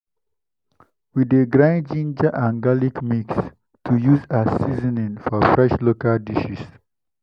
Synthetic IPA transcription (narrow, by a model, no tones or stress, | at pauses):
wid̪eɡɾãɪ̃nd͡ʒĩnd͡ʒaʔãŋɡalikmiks | tʰujuːzasizənĩnfɔɾfɾɛʃlokaldiʃis